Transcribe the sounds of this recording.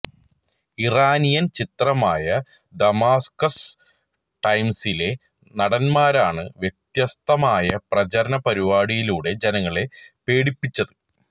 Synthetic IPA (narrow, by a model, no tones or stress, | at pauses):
iraːnijɐnt͡ɕit̪rɐmaːjɐ | d̪ɐmaːskɐs | ʈɐjmsile̞ | nɐɽɐnmaːɾaːɳɨʋje̞t̪jɐst̪ɐmaːjɐprɐd͡ʑɐɾɐnɐpɐɾiʋaːɽijiluːɽe̞d͡ʑenɐŋːɐɭe̞pe̞ːɽipːit͡ɕːɐðɨ